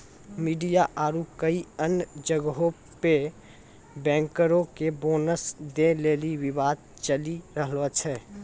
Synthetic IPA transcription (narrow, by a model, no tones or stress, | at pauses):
miːɖijaʔaːɾukəiənd͡ʒəɡɦõ | pe | bɛ̃ːŋkəɾõkeboːnəsd̪eleːliwɪbaːd̪̚ | t͡ʃəliɾəɦlɔt͡ʃʰɛː